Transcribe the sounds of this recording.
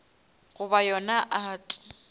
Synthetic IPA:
ɣʊbajɔnaʔatʼʊ̥

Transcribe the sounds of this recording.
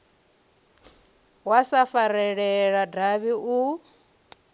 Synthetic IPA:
wasafaɾɛɺɛɺadaβiʔu

